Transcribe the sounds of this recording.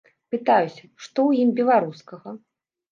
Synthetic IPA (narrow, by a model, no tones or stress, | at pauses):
pɨt̪ajusʲɐʂt̪ɔwjimbʲɛlˠaɾuskɐɣɐ